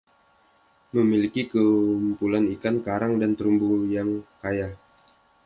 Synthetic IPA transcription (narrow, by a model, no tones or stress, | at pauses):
məmilikikəumpulanikankaɾaŋdant̪əɾumbujaŋkaja